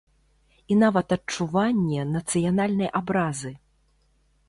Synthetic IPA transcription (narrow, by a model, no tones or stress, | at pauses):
inavɐt̪ɐt͡ʂuvanʲːɛnɐt̪sɨjanalʲnɐjʔabɾazɨ